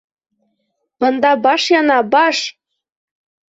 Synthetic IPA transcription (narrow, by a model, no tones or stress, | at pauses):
bɤnd̪ɑbɑʂjɑnɑbɑʂ